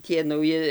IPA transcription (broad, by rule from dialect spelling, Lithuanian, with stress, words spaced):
ˈtʲiɛ nɐʊˈjɪ